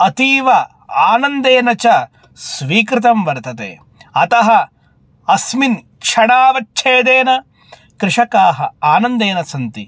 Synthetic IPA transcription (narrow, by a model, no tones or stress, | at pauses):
ɐt̪iːʋɐ | aːnɐnd̪eːnɐt͡ʃɐ | sʋiːkɾɪt̪ɐmʋɐɾt̪ɐt̪ḛː | ɐt̪ɐɦɐ̆ | ɐsmin | kʂʰɐɽaːʋɐt͡ʃːʃʰeːd̪eːnɐ | kɾɪʂɐkaːɦɐaːnɐnd̪eːnɐsɐnt̪i